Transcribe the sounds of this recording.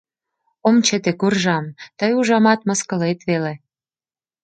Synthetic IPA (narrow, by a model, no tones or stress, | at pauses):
omt͡ɕet̪ekurʒɑmt̪əjuʒɑmɑt̪mə̆skəlet̪βele